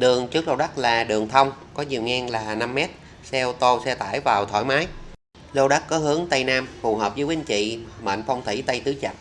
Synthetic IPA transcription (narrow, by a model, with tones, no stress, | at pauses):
ɗɨ˨˩əŋt͡ɕɨ˦˥ək̚lo˧wɗa˦˥k̚laː˨˩ɗɨ˨˩əŋt̪ʰə˧wŋ͡mkɔ˨˦ɲi˨˩wŋɛ˧ŋlaː˨˩na˧mːɛ˦˥t̚ | sɛ˧wt̪o˧sɛ˧t̪a̰ː˧˩jvaː˨˩wt̪ʰɔ˧˩jmaː˨˦j | lo˧ɗa˦˥kkɔ˨˦ɦɨ˨˦əŋt̪ə˧jnaː˧mfu˨˩ɦəː˨˩p̚zəː˨˦wi˧˦nt͡ɕḭ˧˨mə̰˧˨n̟fə˧wŋ͡mt̪ʰi˧˩t̪ə˧jt̪ɨ˨˦t͡ɕə˨˩t̚